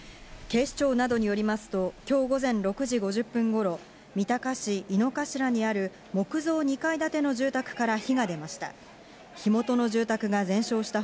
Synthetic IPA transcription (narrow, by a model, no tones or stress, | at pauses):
ke̞ːɕi̥t͡ɕo̞ːnad̪o̞ɲ̟ijo̞ɾʲimasɨ̥t̪o̞kʲo̞ːɡo̞zẽ̞nɾo̞kɯ̟ʑiɡo̞ʑɨpːɯ̟̃ŋɡo̞ɾo̞ | mʲit̪akaɕiːno̞kaɕiɾaɲ̟iaɾɯ̟ | mo̞kɯ̟zo̞ːɲ̟ikaid̪at̪e̞no̞ʑɨːt̪akɯ̟̥kaɾaçiɡad̪e̞maɕi̥t̪a̰ | çimo̞t̪o̞no̞ʑɨːt̪akɯ̟ɡazẽ̞ɰ̃ɕo̞ːɕi̥t̪a